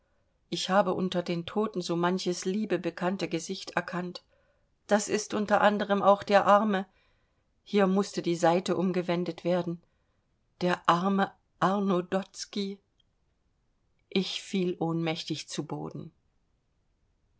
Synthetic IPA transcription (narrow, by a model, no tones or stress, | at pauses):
ʔɪçhaːbəʔʊntɐdeːntʰoːtn̩zoːmançəsliːbəbəkʰantəɡəzɪçtɛɐkʰant | d̥asɪstʔʊntɐʔandəʁ̞əmʔaʊxd̥eːɐʔaɐmə | hiːɐmʊstədiːzaɪtəʔʊmɡəvɛndətv̥eːɐdn̩ | d̥eːɐʔaɐmə | ʔaʁnodɔt͡ski | ʔɪçfiːlʔoːnmɛçtɪçt͡subo̰ːdn̩